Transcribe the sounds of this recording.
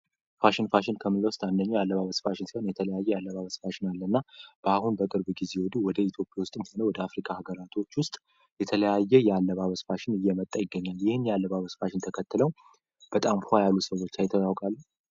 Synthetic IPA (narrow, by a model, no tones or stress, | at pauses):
faʃɪnfaʃɪnkʰəmɨlːəwʊst̪ʼand̪əɲːujalːəβaβəsfaʃɪnsionjɛt̪ʰələjajːɛjalːəβaβəsfaʃɪnalːənːab̥əahunbəkʼɨɾbɡize̞wɔd̪uwɔd̪əit̪ʰjo̞pʼjawʊst̪ʼɨmho̞nəwɔd̪əafɾikʰʼahaɡəɾat̪ʰo̞t͡ʃːwʊst̪ʼ | jɛt̪ʰələjajːɛjɛalːəβaβəsfaʃɪnɨjːɛmət̪ʼːəjɪɡːəɲːaljɪhɨnjɛalːəβaβəsfaʃɪnt̪ʰəkʰət̪ːɨləw | b̥ət̪ʼamhajalːusəwːot͡ʃːlajt̪ʰːəwawkʼalː